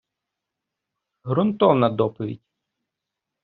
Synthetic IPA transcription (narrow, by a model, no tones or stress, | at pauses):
ɦɾʊnt̪ɔwnɐd̪ɔpɔʋʲḭdʲ